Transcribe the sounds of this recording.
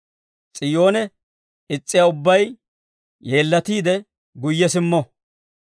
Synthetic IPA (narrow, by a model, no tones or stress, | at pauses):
t͡sʼɪjo̞ːnɛ | ɪt͡sʼːɪjaʊbːɐj | je̞ːlːɐt̪iːd̪ɛ | ɡʊjːɛsɪmːɔ